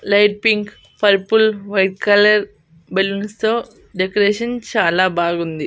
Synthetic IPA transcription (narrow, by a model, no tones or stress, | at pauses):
lɐjʈ̚piŋk | pɐɾpulʋɐjʈ̚kɐlɐɾ | belunst̪oː | ɖekɐɾeːʃɐnt͡ʃaːlaːbaːɡund̪i